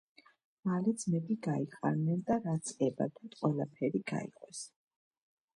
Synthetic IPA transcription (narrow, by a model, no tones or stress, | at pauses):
malɛd̪zmɛd̪iɡaiqʼa̰nnɛnd̪aɾat̪sʰɛba̰d̪ʰant̪qʼwɛlˠapʰɛɾiɡa̰ḭqʼɔs